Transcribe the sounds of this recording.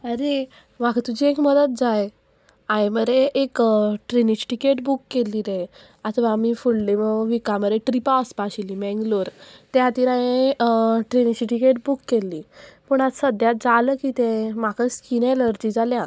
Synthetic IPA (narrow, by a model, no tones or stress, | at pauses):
əɾe | makʰət̪ud͡ʑiekməd̪ət̪̚d͡zaj | ãjməɾeʔːkʈɾinit͡ɕi̥ʈikeʈbukːelːiːɾe | at̪ʰʋaːmifullemʋikaməd̪eʈɾipaspaɕilimɛ̃ŋɡloɾt̪jat̪iːɾãe | ʈɾinit͡ɕiʈikeʈ̚bukːelːiːpəɳat̪səd̪jat̪̚d͡zaləkiːt̪ẽmakʰəskineləɾd͡ʑid͡zaljã